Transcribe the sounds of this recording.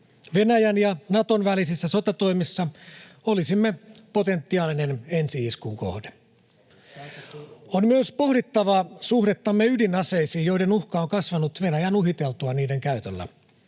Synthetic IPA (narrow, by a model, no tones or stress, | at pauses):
ʋe̞næjænjɑnɑt̪onʋælisisːæso̞t̪ɑt̪o̞imisːɑ | o̞lisimːepo̞t̪e̞nt̪ːiɑːlinene̞nsiiskuŋko̰hde | onmyøspo̞hdit̪ːɑʋɑsuhɾet̪ːɑmːeydinɑse̞isiːjo̞ide̞nuhkɑoŋkɑsʋɑnut̪ʋe̞næjænuɦit̪e̞lt̪uɑniːde̞ŋkæyt̪ølːæ̰